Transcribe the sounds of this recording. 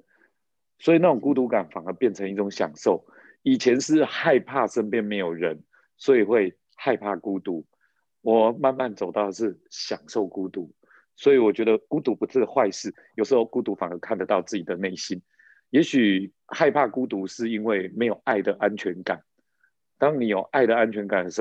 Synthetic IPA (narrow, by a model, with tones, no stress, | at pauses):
swɔ˧˥i˨na˥˩ʊ˨˩ŋku˦˥t̪u˧˥ka˨˩nfa˨˩ŋə˧˦pjɛ˥˩nt͡sʰə˧˦ŋi˥˩ʈ͡ʂʊ˨˧˦ŋɕjɑ̰˨˩ŋʂo˥˨˩ʊ | i˨˩t͡ɕʰjɛ˧˦nʂɻ̩˥˧xa˥˧ɪpʰa˥˧ʂə˦˥npjɛ˥˧nme˧ɪjo˨˩ʊɻə˨˦n | swɔ˧˥i˨˩xwe˥˧ɪ | xa˥˧ɪpʰa˥˧ku˦t̪u˧˦ | wɔ˨˩ma˥˧nma˥˨nt͡so˨˩ʊt̪ɑ˥˩ʊd̪ə˩ʂɻ̩˥˩ɕjɑ˨˩ŋʂo˥˩ʊku˥t̪u˨˦ | swɔ˧˥i˨wɔ˨˩t͡ɕɥɛ˧˥d̪ə˧ku˥t̪u˧˥pu˧˥t͡s̩ʰ˥xwa˥˧ɪʂɻ̩˥˩jo˨˩ʊʂɻ̩˧˥xo˥˧ʊku˦t̪u˧˥fa˨˩ŋə˧˦kʰa˥˩nd̪ə˨˩t̪ɑ˥˧ʊt͡sɹ̩˥˩t͡ɕi˨˩d̪ə˩ne˥˩ɪɕi˦n | jɛ˧˥ɕy˨˩ | xa˥˧ɪpʰa˥˧ku˦˥t̪u˧˥ʂɻ̩˥˩i˥nwe˥˩ɪme˧˥ɪjo˨˩ʊʔa˥˩ɪd̪ə˩ʔa˦nt͡ɕʰɥɛ˧˥nka˨˩˦n | t̪ɑ˦˥ŋni˨˩jo˨˩ʊʔa˥˩ɪd̪ə˩a˦nt͡ɕʰɥɛ˧˥nka˨˩n˩˥